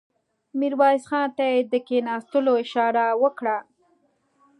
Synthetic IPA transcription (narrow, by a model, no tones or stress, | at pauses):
miɾwɑɪsxɑnt̪ajed̪əkenɑst̪əloɪʃɑɾawəkɽa